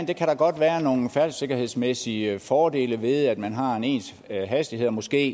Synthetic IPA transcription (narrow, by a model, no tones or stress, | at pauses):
nd̥e̝kʰæɾ̥ɑ̈ɡ̥ɒ̽d̥ʋæːɐno̝ːn̩fæɐ̥se̝ɡ̥ɐhe̝ð̞ˠsmesifɒːd̥e̝̰ːləʋe̝ð̞ˠæd̥mænɦɑ̈ene̝̰ːns | ɦæsd̥ihe̝ð̰ˠɐmɒ̽sɡ̥e̝̰ː